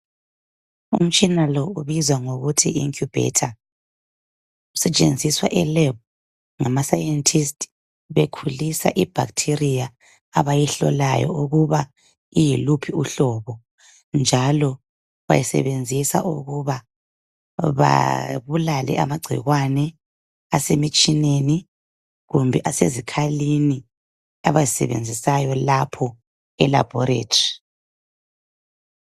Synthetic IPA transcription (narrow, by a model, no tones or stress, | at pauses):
ṵm̩t͡ʃʼinalɔuβizwaŋoɣutʰiiŋkʰjub̥ʱɛ̰tʰa | usɛt͡ʃʼḛnd͡zʱiswa̰ʔɛlɛb̚ | ŋamasajɛntʰistʰʼ | βekʰulisa̰ʔib̥ʱa̰ktʰirijaː | βajɛɬɔ̰la̰jɔ̰uɣuβa | ijilupʰiuɬɔβɔ | nd͡ʒʱalɔ | βa̰jisɛ̰βend͡zʱisa̰ʔuɣuβa | βa̰βulalɛ̰ʔamaɡ͡ǀʱḭɣwanɛ | asemit͡ʃʼineni | ɣumbʱɛʔasezikʰalini | aβazisɛ̰βḛnd͡zʱisajɔlapʰɔ | ɛla̰b̥ʱɔɾḛːtʰʼi̥